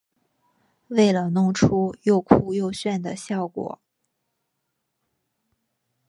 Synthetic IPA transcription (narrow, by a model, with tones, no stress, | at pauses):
we˥˩ɪlə˩nʊ˥˩ŋʈ͡ʂʰu˥jo˥˧ʊkʰu˥˧jo˥˧ʊɕɥɛ˥˩nd̪ə˩ɕjɑ˥˩ʊkwɔ̰˨˩˦